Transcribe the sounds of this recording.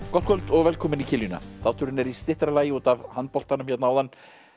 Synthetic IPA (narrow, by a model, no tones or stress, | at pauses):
kɔht̪kʰœlt̪ɔɣvɛlkʰɔːmɪnicʰɪljʏna̰θawt̪ʰʏɾɪnɛɾist̪ɪht̪ɾalaːjɪuːt̪avhant̪pɔl̥t̪anʏmçɛt̪naaːwðan